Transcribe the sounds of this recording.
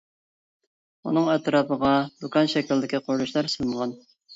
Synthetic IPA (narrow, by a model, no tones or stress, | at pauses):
ṵnɨŋɛt̪ɾɑpʰəʁɑd̪ukɑnʃɛkʲild̪ɪkʲiqʰoɾɾuʃlˠɑɾsɨnˠʁɑn